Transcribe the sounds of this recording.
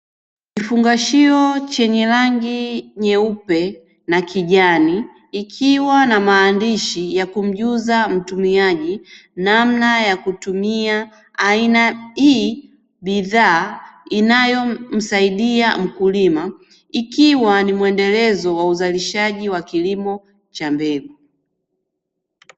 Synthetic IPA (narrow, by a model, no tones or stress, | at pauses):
kifuŋɡaʃiɔt͡ʃɛɲɛɾaŋɡiɲɛupɛ | nakʰiʄaniː | kʰiwanamaːndiʃijakum̩ʄuzam̩tumiaʄinamnajakutumia | ainai | ɓiðaːinajɔm̩saiɗiam̩kulima | ikiwanimwɛndɛlɛzɔwauzaliʃaʄiwakilimɔ | t͡ʃambɛɡu